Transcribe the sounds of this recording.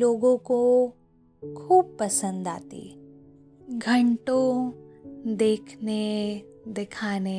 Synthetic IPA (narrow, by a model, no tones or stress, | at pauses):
oːɡõko | kʰuːb̚pɐsə̃nd̪a̰ːt̪ḭ | ɡʱɐɳʈõ | d̪eːkʰned̪ɪkʰaːne